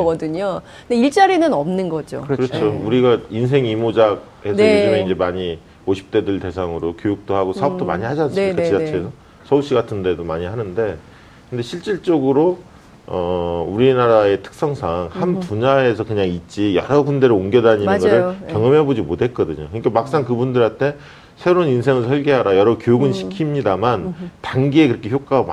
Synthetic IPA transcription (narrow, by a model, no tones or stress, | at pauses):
ɡʌdɯɲo | deiɭt͡ɕ͈aɾinɯnʌmnɯnɡʌd͡ʑo̰kɯɯɾʌt͡ɕʰouɾiɡains̬ʰe̞ŋimod͡ʑaɡ̚ | e̞sʌjod͡ʑumeind͡ʑe̞maɲi | oɕʰi̥p̚t͈e̞dɯɭte̞sʰaŋɯɾokjojuk̚t͈ohaɡosʰaʌp̚t͈oma̰ɲihad͡ʑanskat͡ɕid͡ʑat͡ɕʰeesʰʌ | sʰʌuɕ͈iɡatʰɯnde̞domaɲiɦhanɯnde̞ | kɯnde̞ɕʰiɭt͡ɕ͈iɭt͡ɕ͈oɡɯɾo | ʌuɾinaɾae̞tʰɯ̥k̚s͈ʌŋsʰaŋhanpuɲae̞sʰʌkɯɲaŋit̚t͡ɕ͈ijʌɾʌɡunde̞ɾɯoŋɡjʌdaɲinɯnɡʌsɯɭkjʌŋʌmebod͡ʑimotʰe̞t̚k͈ʌdɯɲokɯɲik͈amak̚s͈aŋkɯbundɯɾaɭtʰe̞ | sʰe̞ɾoninsʰe̞ŋɯɭsʰʌɭɡeɦaɾajʌɾʌkjojuɡɯnɕʰi̥kʰimɲidamantaŋɡie̞kɯɾʌkʰe̞çjok͈aam